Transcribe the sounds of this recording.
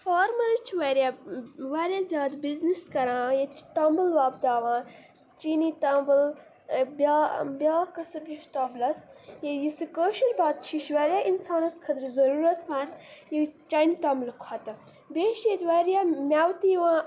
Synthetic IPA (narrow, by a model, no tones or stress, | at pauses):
faːɾmɐɾɐt͡ʃʰʋɐɾjaːʋaːɾʲjaːzʲjaːd̪bizniskɐɾãːjet͡ʃʰi̥t̪ambəlʋaːb̚d̪aːʋãː | t͡ʃiːniːt̪aːmbəl | bʲabʲaːkɐsɐbd͡ʒiʃt̪aːblɐsjejisɨkəːʃilbaːt̪̚t͡ʃʰiʃʋaːɾjaːinsaːnɐskʰɐd̪ɾzɐɾuːɾɐt̪mãːt̪jit͡ʃɐnʲt̪ɐːmblkʰɐt̪ɐ | beːʃjet̪ʲʋaːɾʲjaːmʲaːwt̪iːʋãː